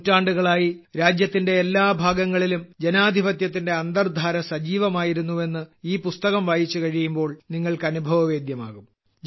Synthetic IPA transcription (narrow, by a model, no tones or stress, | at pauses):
tːaːɳɖuɣɐɭaːji | ɾaːd͡ʑjɐt̪ːinde̞ːlːaːbʱaːɡɐŋːɐɭilumd͡ʑe̞naːd̪ʱibɐt̪jɐt̪ːinde̞ɐnd̪ɐrd̪ʱaːɾɐsɐd͡ʑiːʋɐmaːjiɾunːue̞nːɨiːpust̪ɐɣɐmʋaːjit͡ɕːukɐɻijumbo̞ːɭniŋːɐɭkɨɐnubʱɐʋɐʋe̞ːd̪jɐma̰ːɣum